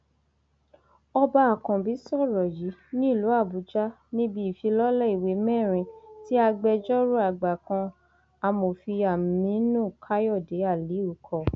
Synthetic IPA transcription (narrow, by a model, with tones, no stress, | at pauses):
ɔ˧ba˦a˨kã˨bi˨˦sɔ˦˨ɾɔ˨ji˨˦nĩ˦i˦˨lu˨˦a˦˨bu˨˦d͡ʒa˦ | nĩ˦bi˧˦i˨fi˧lɔ˦lɛ˦i˨we˨˦mɛ̃˦˨ɾ̃ĩ˧ti˦a˧ɡ͡bɛ˧d͡ʒɔ˦ɾu˦a˦˨ɡ͡ba˨kã˧ | a˧mo˨fi˧a˨mĩ˨˦nũ˦˨kʰa˦jɔ˦˨de˨˦a˦˨li˨˦u˨kʰɔ˧˨